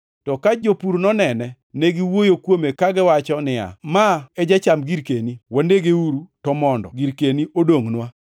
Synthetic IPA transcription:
tɔkad͡ʒopuɾnɔnɛnɛ | neɡɪwojokwomekaɡɪwat͡ʃɔnɪa̰maɛd͡ʒat͡ʃamɡiɾkeniwandeɡeuɾutɔmɔndɔ̰ɡiɾkeniodoŋnwa

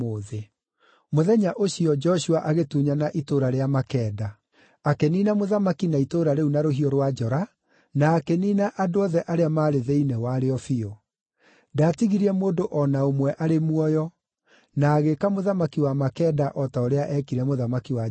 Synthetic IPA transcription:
oðe | moðɛɲaʔoɕiɔd͡ʒɔɕuaʔaɣetuːɲanaʔitoɾaɾeamakɛːda | akeniːnamoðamakinaitoɾaɾeunaɾoɦiɔɾwad͡ʒɔɾa | naːkeniːnaʔadoɔðɛʔaɾeamaːɾeðeinɛwaɾeɔfio | daːtiɣiɾiɛmoːdoʔɔnaomwɛʔaɾemwɔjɔ | naːɣekamoðamakiwamakɛːdaʔɔtaoɾeaʔɛkiɾɛmoðamakiwa

